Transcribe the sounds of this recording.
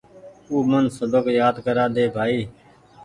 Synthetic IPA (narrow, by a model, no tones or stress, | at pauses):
uːmənsəd̪əkjaːd̪kəɾaːd̪eːbʱaːiː